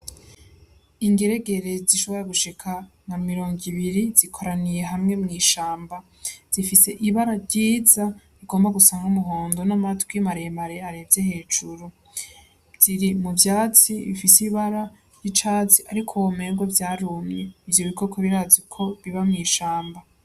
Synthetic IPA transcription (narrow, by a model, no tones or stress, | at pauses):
iŋɡeɾe̞ɡe̞ɾe̞ziʃo̞βo̞ɾeɡuʃikʰa | namiɾo̞ːŋɡiβiɾiz̥ikʰo̞ɾanije̞ɦamŋe̞mŋiːʃaːmba | z̥ifise̞ʔiβaɾaɾɟiːzaβiɡo̞ːmbaɡusaːŋɡumuɦo̞ːndo̞namatɡwimaɾejmaɾe̞aɾevze̞he̞ːd͡ʒuɾu | z̥iɾimuvjaːt͡siβifisiβaɾa | jit͡ʃaːt͡siʔaɾikʰowome̞ːŋɡwovjaːɾuːmɲe̞ivjoβiko̞kʰoβiɾaːzikʰo̞βiβamŋiːʃaːmba